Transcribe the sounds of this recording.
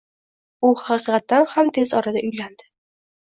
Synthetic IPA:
ʊhɑqɨqɑt̪ːanhamt̪ʰezɒɾad̪aʔʊjland̪ɪ̥

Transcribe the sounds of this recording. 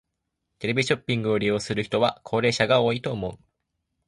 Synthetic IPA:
t̪e̞ɾe̞bʲiɕo̞pʲːĩŋɡɯ̟oɾʲijo̞ːsɨɾɯ̟çi̥t̪o̞βakʰo̞ːɾe̞ːɕaɡao̞ːit̪o̞ːmo̞ɯ̟

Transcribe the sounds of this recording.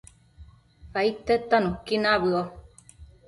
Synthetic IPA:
kait̪ːet̪ːanũkinaβɯo

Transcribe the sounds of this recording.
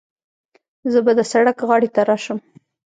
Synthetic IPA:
zəbad̪əsaɽakɣɑɽet̪aɾɑʃəm

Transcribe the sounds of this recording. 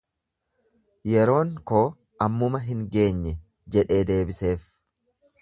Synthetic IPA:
jɛɾo̞ːŋkoː | ɐmːʊmɐɦɪŋɡe̞ːɲːɛ | d͡ʒɛᶑe̞ːd̪e̞ːbɪse̞ːf

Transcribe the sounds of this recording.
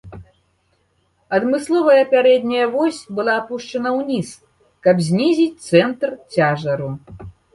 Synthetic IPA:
ɐd̪mɨslˠɔvɐjɐːpʲaɾɛd̪̚ʲnʲɐjɐvɔsʲbɨlˠaːpuʂt͡ʂɐnɐwnʲis | kɐbzʲnʲizʲit͡sʲt̪sɛnt̪rt͡sʲaʐɐɾu

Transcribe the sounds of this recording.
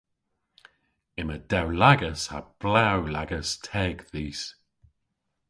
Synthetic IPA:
ɪməd̥ɛwlaɡəsha̰b̥lawlaɡəstʰɛːɡðiːs

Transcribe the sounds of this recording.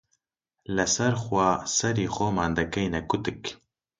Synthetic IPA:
lɨsɛɾxwaːsɛɾiːxʷoːmɑːnd̪ɐkɛjnɛkʊt̪ɨk

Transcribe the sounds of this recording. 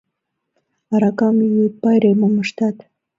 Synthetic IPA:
ɑɾɑkɑmijut̪̚pɑjɾemoməʃt̪ɑt̪

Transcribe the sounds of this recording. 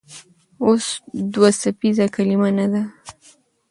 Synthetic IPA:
osd̪wasafizakalimanad̪a

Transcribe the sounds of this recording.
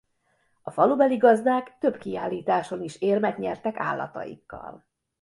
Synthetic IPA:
ɒfɒlubɛliɡɒzd̪aːkt̪ø̞bkiaːlːiːt̪aːʃo̞niʃeːrmɛt̪ɲɛrt̪ɛka̰ːlːɒ̰t̪ɒ̰jḭkːɒ̰l

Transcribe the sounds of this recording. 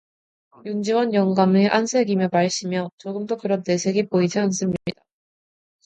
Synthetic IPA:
jund͡ʑiwʌnjʌŋɡamɯʔansʰe̞ɡimjʌpaɭɕ͈imjʌt͡ɕoɡɯmdokɯɾʌnt͈esʰe̞ɡipoid͡ʑians͈ɯmɲid̥a

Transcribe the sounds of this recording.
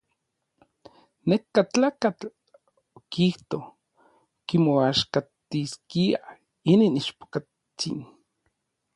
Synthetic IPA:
nekːat͡ɬaːkat͡ɬ | okiht̪o | kimoaʃkat̪iskia̰ | ininiʃpo̥ka | t͡sḭn

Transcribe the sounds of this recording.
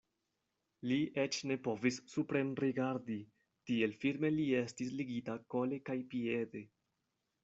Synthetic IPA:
lie̞t͡ʃne̞po̞visːupɾe̞mɾiɡaɾdi | tie̞lfilme̞lie̞stisliɡitako̞le̞kajpie̞de̞

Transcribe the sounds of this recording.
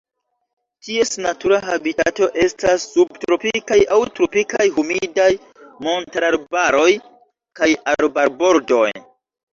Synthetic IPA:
tie̞snatuɾaɦabitato̞ʔe̞stasːubtɾo̞pikajʔawtɾo̞pikajhumidaj | mo̞ntaɾaɾbaɾo̞j | kajaɾbaɾbo̞ɾdo̞j

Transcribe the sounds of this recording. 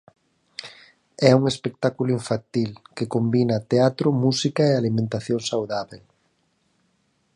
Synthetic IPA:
ɛuŋespek̚t̪akulʊiɱfant̪ilkekombinɐt̪eat̪ɾʊmusikaealimẽnt̪aθjoŋsawðaβel

